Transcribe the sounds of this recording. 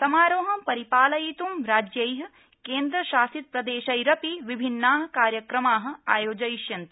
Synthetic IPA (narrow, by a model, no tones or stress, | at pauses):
t̪ɐmaːɾoːɦɐpɐɾipaːlɐjit̪umɾaːd͡ʒjɐjɦɐ̆ | keːnd̪ɾɐʃaːsit̪̚pɾɐd̪eːʃɐjɾɐpiʋibʱinːaːɦɐ̆kaːɾjɐkɾɐmaːɦɐ̆aːjoːd͡ʒɐjiʃjɐnt̪